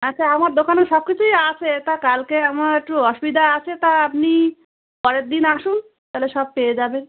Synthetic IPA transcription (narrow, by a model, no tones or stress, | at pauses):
at͡ɕːɕʰaamaɾd̪okaneʃɔb̚kit͡ɕʰujat͡ɕʰet̪akalkeamaɾek̚ʈuɦɔʃubid̪aat͡ɕʰet̪aap̚ni | pɔɾeɾ̚d̪inaʃun | t̪aleʃɔb̚peed͡ʑaben